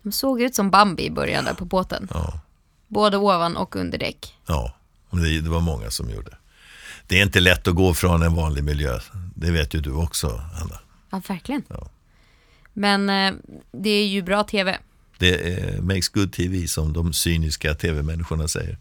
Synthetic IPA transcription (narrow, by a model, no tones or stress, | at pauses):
d̪̥ɔmsoːɡjʉ̟ːt̪sɔmbambɪ̰ɪbœ̰ɾja̰d̪ə̰pʰɔboːt̪ə̰nɑ̰ː | boːd̪əoːvanʔɔ̰kɵ̰nd̪əɖɛ̰kːjɑː | mɛnd̪ɛd̪ɛvaɾmɔŋːa̰sɔmjṵːɖəə | d̪̥ɛæɾɪnt̪əlɛt̪ːɔɡoːfɾɔnɛnvɑːnlɪɡmɪljø̰ːd̪ɛveːt̪jɵd̪ɵɔksɔ̰ha̰nːa | ɑːvæɾklɪɡənɑː | mɛn | d̪ɛæjɵbɾɑːt̪ʰeːvɛ̰ | d̪ɛmɛksɡ̥ɵd̪̚t̪ʰiviːsɔmd̪ɔmsyːnɪskat̪ʰeːvɛmɛnːɪɧʊɳasɛ̰jːə̰ɾ